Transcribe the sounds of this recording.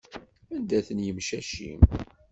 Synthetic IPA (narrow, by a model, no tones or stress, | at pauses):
ænd̪æθənjəmʃæʃḭm